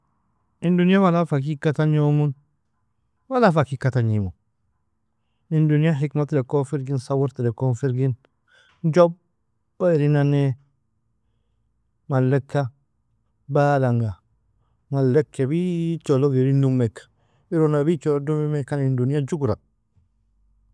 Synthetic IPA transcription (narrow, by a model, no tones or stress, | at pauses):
indunijawalafak̬ikataɲomun | walafakikataɲimu | induniaɦikmatlekofiɾɡinsawuɾtidekofiɾɡin | d͡ʒɔb̚ | baiɾinane | malːɛkʰːa | baːlaŋɡa | malːekːebit͡ʃoloɡiɾinumːek | iɾonabit͡ʃolodumimekanindunijad͡ʒuɡɾa